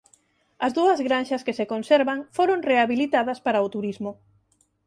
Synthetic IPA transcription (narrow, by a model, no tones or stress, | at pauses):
ɐzðuɐzɣɾanʃɐskesekonseɾβaŋfoɾoŋreaβilit̪að̞ɐspaɾaot̪uɾizmʊ